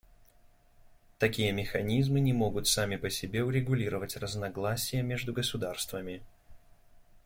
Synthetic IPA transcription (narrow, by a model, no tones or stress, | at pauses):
t̪ɐkʲijəmʲɪxɐnʲizmɨnʲɪmo̞ɡʊt̪samʲɪpəsʲɪbʲe̞ʊɾʲɪɡʊlʲiɾəvətʲrəznɐɡlˠasʲɪjəmʲe̞ʐd̪ʊɡəsʊd̪arst̪vəmʲɪ